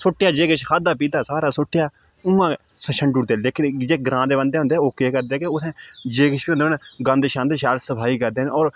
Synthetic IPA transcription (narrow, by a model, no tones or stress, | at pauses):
soːʈːjaːd͡ʒeːkəʃkʰaːd̪aːp̬iːd̪aːsaːɾaːsoːʈːɪjaː | ũːãː | sʃəɳɖuːɾd̪eːleːkɪnd͡ʒeːɡɾãːd̪eːbənd̪eːɦʊ̃nd̪eːɛːoːkeːkəɾd̪eːkeʊsɛ̃ːd͡ʒeːkəʃiːond̪eːnɡə̃nd̪ʃãːd̪eːʃaːɾsəbʰʱaːiːkəɾd̪eːnːɔːɾ